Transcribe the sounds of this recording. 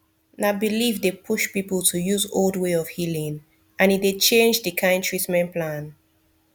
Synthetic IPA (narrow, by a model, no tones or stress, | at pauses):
nabilivdepʰuʃpipəlˠtʰujuzolˠdweɔv̥hilĩŋ | ʔãnitdet͡ʃẽnd͡ʒdɨkʰãɪ̃ntʰɹitmɛ̃npʰlãn